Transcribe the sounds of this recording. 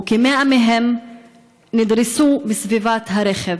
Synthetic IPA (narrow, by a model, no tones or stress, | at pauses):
kimeameɦem | nid̪ɾisubisvivat̪ɦaɾeχev